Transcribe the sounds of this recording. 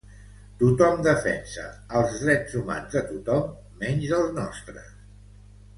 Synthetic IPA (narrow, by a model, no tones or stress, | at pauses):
t̪ut̪ɔmd̪əfɛ̰nsə̰əlˠzðɾɛdzuma̰nzðət̪ut̪ɔmː | ɛnʒzəlˠznɔst̪ɾə̰s